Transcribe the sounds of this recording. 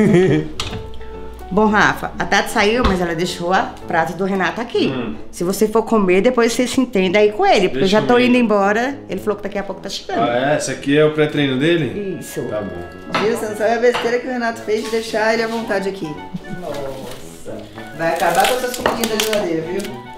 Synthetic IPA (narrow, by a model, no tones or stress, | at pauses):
bõɦafɐ̰at̪at̪ɪ̥saiwmɐzɛlɐd̪eʃowɐpɾazɐd̪ʊɦenat̪ʊakĩ | sɪvosefoɾkõmeɾd̪epojssesɪĩt̪ẽnd̪aikõelɪpoɾkeʒat̪owĩnd̪ʊẽbɔɾɐelɪfalowkɪd̪akiɐpowkʊ̥t̪aʃe̥ɡɐ̃nd̪ɛɛsɪakiɛʊpɾɛt̪ɾẽjnʊd̪elɪ̰isʊt̪a̰bõ̰ | viɾʊsẽñsavĩɐbest̪eɾɐkɪʊhenat̪ʊ̥fejzd͡ʒɪd̪ejʃaelɪɐvõnt̪ad͡ʒɪakʰi | nɔ | sɐ | vajakabakõsoskõpiɡĩd̪ɐʒilad̪eɾɐviw